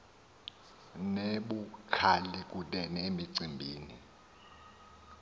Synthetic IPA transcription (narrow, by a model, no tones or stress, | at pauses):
neɓukʰalik̬ʼuɗɛnemiǀʱimbʱiːnḭ